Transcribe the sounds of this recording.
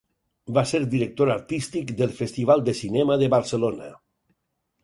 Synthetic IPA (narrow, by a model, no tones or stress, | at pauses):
baseɾd̪iɾək̚t̪oɾaɾt̪ist̪ikd̪elˠfest̪iβ̞alˠd̪esinɛmaðeβaɾselona̰